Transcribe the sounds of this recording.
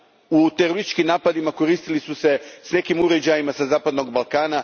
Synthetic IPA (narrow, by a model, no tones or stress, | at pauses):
ut̪e̞ɾoɾist̪i̥t͡ʃkimnaːpad̪imako̞ɾiːst̪ilisuse̞sne̞kimuɾe̞d͡ʑajimasazaːpad̪no̞ɡbalˠkaːna